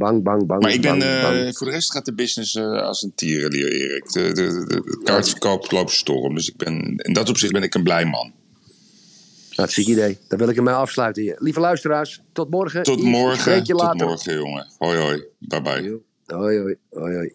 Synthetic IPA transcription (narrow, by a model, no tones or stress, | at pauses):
baŋbɑŋbɑŋmaɹɪɡbɛnfʊːɹdərɛstχaːt̚dəbɪsnɪsa̰səntiːərəlḭəɹɪ̰ːrə̰ɪk | kaːɹtfəkowplowpstɔ̰rəmdøsɪɡ̚bɛnɪ̰ndɔtɔpsɪχ̚bɪnɪkənblɛjmɑ̰n | naətsikidejd̥ɔʋɪlˠɪkəmɛɑfslœɥtəlivəlœɥstəraːstɔt̚mɔrɣətɔtmɔɹχəekjəlaːtmɔɹχəjoŋəojojbabɛ̰j | ojojojoj